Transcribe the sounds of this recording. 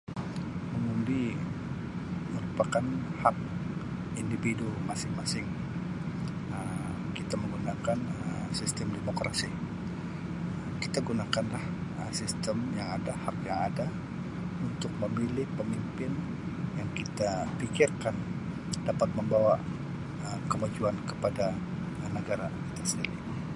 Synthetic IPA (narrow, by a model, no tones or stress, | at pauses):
məŋundi | məɾupakanhak̚ | indifidumasɪŋmasɪŋ | ə | kit̪aməŋɡunakanə | sist̪əmdemokɾasi | mkit̪aɡunakanlahəsist̪əmjaŋadahakjaŋada | unt̪ʊk̚məmilɪhpəmimpɪn | jaŋkit̪apikɪrkan | dapat̪̚məmbawa | əkəmad͡ʒuankəpada | nəɡaɾakit̪asəniɾi